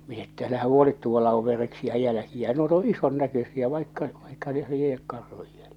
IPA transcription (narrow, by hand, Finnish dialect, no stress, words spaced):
min etːæ ælæhæ huolit tuolːɑ oʋ ʋereksiæ jælæ̆kiæ nuot õː ison nækøsiæ ʋɑikːɑ ʋɑikːɑ neh liek kɑrhuj jælje̥